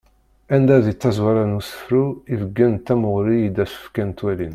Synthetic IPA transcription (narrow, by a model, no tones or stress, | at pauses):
ænd̪æðit͡sːæzwaɾanusə̥fɾuivəɡːænt̪ːæməʁɾijid̪æsə̥fkænt̪wælin